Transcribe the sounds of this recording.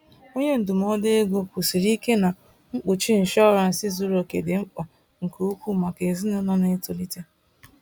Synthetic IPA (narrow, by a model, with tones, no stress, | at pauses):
o˦ɲe˦n̩˨du˨m˦ɔ˦de˦e˦ɡʷo˦ku˨si˨ɾi˦ke˦na˨ | ŋ͡m̩˦k͡pʊ˨t͡ʃi˦n̩˨ʃɔ˦ɾa˨n̩˨sɪ˦zu˨ɾo˨ke˨dɪ˨ŋ͡m̩˦k͡pɔ˨ | ŋ̩˨ku˨˦u˦kʷu˦˨ma˨ke˨zi˦nʊ˦nɔ˦ne˦tʊ˨li˦ta˦